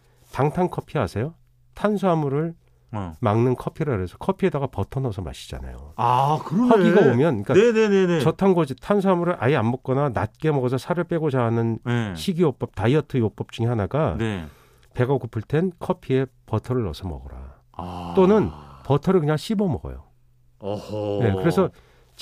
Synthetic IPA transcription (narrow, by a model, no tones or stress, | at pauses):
taŋtʰankʰʌpʰiasʰe̞jo | tʰansʰuamuɾɯɭ | maŋnɯnkʰʌpʰiɾaɾesʰʌ̥kʰʌpʰie̞daɡapʌtʰʌnʌsʰʌma̰ɕʰi̥d͡ʑa̰na̰jo̰akɯɾʌʌɡiɡabomjʌnik͈aenenent͡ɕʌtʰanɡʌd͡ʑitʰans̬ʰuamuɾɯɾʔa̰iamːʌk̚k͈ʌnanat̚k͈e̞mʌɡʌsʰʌsʰaɾɯɭp͈e̞ɡod͡ʑaanɯnɕʰiɡiok̚p͈ʌp̚taiʌtʰɯjok̚p͈ʌp̚t͡ɕ͈uŋehanaɡane | pe̞ɡakupʰɯɭtʰe̞nkʰʌpʰie̞pʌtʰʌɾɯɭːʌsʰʌmʌ̰ɡʌɾa̰ | t͈onɯnpʌtʰʌɾɯɭkɯɲaŋɕʰibʌmʌɡʌ̰jo̰ | ne̞kɯɾe̞sʰʌ